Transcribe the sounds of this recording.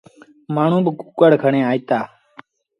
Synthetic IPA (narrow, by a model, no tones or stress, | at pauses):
maːɳ̤ũːbəkuːkəɽkʰəɳẽːaːiːt̪aː